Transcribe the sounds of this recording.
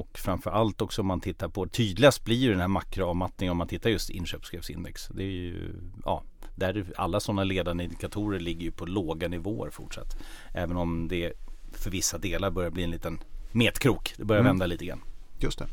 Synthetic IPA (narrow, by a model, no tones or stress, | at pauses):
ɔkfɾamfœɾʔalt̪ɔksɔɔmːant̪ʰɪt̪ːaɾpʰɔt̪ʰyːd̪lɪɡast̪̚blɪɾjɵd̪ɛnhæːɾmakɾʊavmat̪nɪŋənɔmant̪ʰɪt̪ːaɾjɵst̪ɪ̰nɕøːpskɾɪːfsɪ̰nd̪ɛksd̪ɛj̰ɵ̰ɑ̰ː | d̪æɾa̰lːasɔnːaleːd̪and̪əɪnd̪ɪkat̪ʰuːɾəɾɭɪɡːəɾjɵpʰɔloːɡanɪvo̰ːə̰ɾfʊʈʂa̰t̪ːʔɛ̰ːvənɔmd̪ɛfœɾvɪsːad̪eːlaɾbœɾjabliːɛnliːt̪ənmeːt̪kʰɾuːkd̪ɛbœɾjavɛnd̪aliːt̪əɡɾa̰njɵst̪ɛ